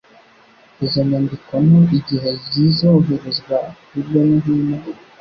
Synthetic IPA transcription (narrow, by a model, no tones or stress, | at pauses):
ezoɲaːndikwamoiɟiɦezizouɦeɾezɡwakuɾjonuɦiːna